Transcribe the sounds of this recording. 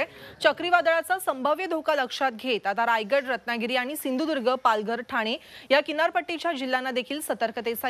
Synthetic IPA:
t͡ɕəkɾiʋad̪ɭat͡sasəmbʱəʋjəd̪ʱokaləkʂat̪̚ɡʱet̪at̪aɾajɡəɽɾət̪naɡiɾiːaɽ̃isind̪ʱud̪uɾɡʱəpalɡəɾʈʰaɽ̃ejakinaɾpəʈːit͡ɕjad͡ʑilːanːad̪ekʰiːlsət̪əɾkət̪esa

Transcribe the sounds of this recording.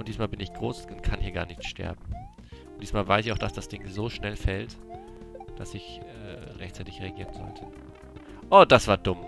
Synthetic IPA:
ʔʊnd̥iːsmaːlbɪnɪçɡ̥ʁoːsʊnkʰanhiːɐɡa̰ːɐnɪçtʃtɛ̰ɐbm̩ | ʊnd̥iːsmaːlvaɪsɪçaʊxd̥asd̥asd̥ɪŋzoːʃnɛlfɛlt | d̥asɪçɛ̰ːʁɛçtt͡saɪtɪçʁeaɡiːʁənzɔ̰ltʰə | ʔoːdasv̥aːɐdʊm

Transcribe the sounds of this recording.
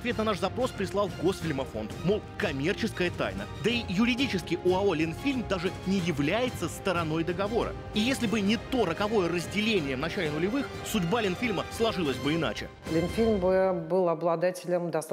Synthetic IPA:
ɐt̪vʲet̪nɐnaʂzɐpɾo̞spɾʲɪslˠɑlˠɡo̞sfʲɪlʲmɐfo̞̰nt̪molˠkɐmʲe̞rt͡ɕɪskəjət̪a̰jnə̰d̪əijʊɾʲɪdʲit͡ɕɪskʲɪʔʊɐo̞lʲɪnfʲilʲmd̪aʐɨnʲɪjɪvlʲæjɪt̪səst̪əɾɐno̞jd̪əɡɐvo̞ɾə̰ | ijesʲlʲɪbɨnʲɪt̪o̞ɾəkɐvo̞jərəzʲdʲɪlʲenʲɪjəvnɐt͡ɕælʲɪnʊlʲɪvɨx | sʊdʲbalʲɪnfʲilʲməslˠɐʐɨlˠəsʲbɨɪna̰t͡ɕɪ̰ | lʲɪnfʲilʲmbɨbɨlˠɐblˠɐd̪atʲɪlʲəmd̪ɐs

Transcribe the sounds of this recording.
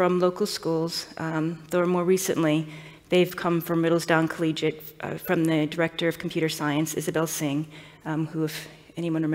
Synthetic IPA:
ɹʌ̃mloʊkl̩ˠskulˠz̥ðoʊə˞mɔɹɹisɨ̰̃nʔli | ðeɪv̥kʰʌ̃ɱfɹʌ̃mɹɪɾl̩ˠzdãʊ̃nkʰəlid͡ʒɨt | fɹʌ̃mðɨdə˞ɛk̚tə˞ʌv̥kʰm̩pʰj̥ʉɾə˞saɪɨ̃nsɪ̰zɨbɛlˠsɪ̃ŋ | huɨv | ɛɾ̃iwʌ̃nɨm

